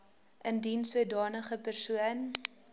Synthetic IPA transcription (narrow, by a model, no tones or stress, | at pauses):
ʔəndinsuədɑːnəχəpərsuən